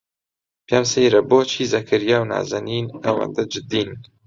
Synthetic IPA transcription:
pamseːjɾɐboːt͡ʃʰiːzɐkʰɐɾijaːwna̰ːzɐniːnawɐ̰nd̪ɐd͡ʒɨd̪iːn

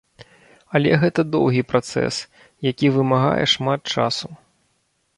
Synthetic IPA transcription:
ɐlʲɛɣɛt̪ɐd̪ɔwɣʲipɾat̪sɛ̰s | jakʲivɨmaɣa̰jɛ̰ʂmat̪̚t͡ʂa̰su

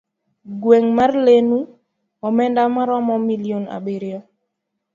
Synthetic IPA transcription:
ɡweŋmarlenu | ɔmɛndamaɾɔmɔmiliona̰beɾjɔ

